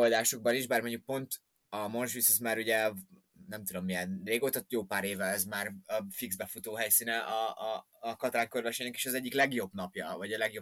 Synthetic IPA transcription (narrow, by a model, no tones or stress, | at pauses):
old̪aːʃo̞ɡ̚bɒniʒbaːrmoɲuk̚po̞nt̪ | ɒmo̞nʃʋisɛzmaːɾuɟɛ | nɛmt̪ud̪o̞mːijɛnreːɡoːt̪ɒt̪joːpaːɾeːvɛlɛzmaːrfiɡzbɛfut̪oːɦɛjsiːnɛʔɒː | kɒt̪ɾaːŋkørvɛʃeːnɛkeːʃɒzɛɟːiklɛɡjo̞bnɒpjɒ̰vɒɟɒlɛɡjob